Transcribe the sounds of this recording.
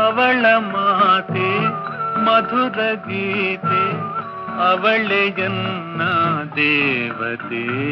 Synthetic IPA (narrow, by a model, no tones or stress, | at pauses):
ɐʋɐɭɐmɐɦaːt̪e | mɐd̪ʱud̪ɐɡit̪e | ɐʋɐɭejɐnːɐd̪eːʋɐt̪e